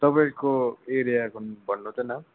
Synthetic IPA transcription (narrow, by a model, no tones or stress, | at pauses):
t̪ʌpaĩkoeɾijakunbʌnːut̪ʰenʌ